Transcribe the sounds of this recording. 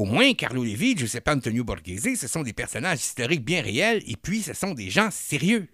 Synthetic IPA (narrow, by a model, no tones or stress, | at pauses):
omwɛ̃ka̰ʁlolevɪʒəsɛpaɑ̃t̪ɔnjobɔʁɡezesəsɔ̃d̪epɛʁsɔnaʒi̥st̪ɔʁɪk̚bjɛ̃ʁeɛlḛpɥisəsɔ̃d̪eʒɑ̃seʁjø